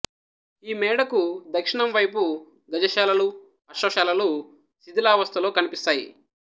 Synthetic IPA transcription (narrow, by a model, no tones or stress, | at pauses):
iːmɛːɽɐkud̪ɐkʂiɳɐmʋɐjpu | ɡɐd͡ʒɐʃaːlɐlu | ɐʃɐːʃaːlɐlu | sid̪ilaːʋɐst̪ʰɐlo̞ːkɐnipist̪aːjḭ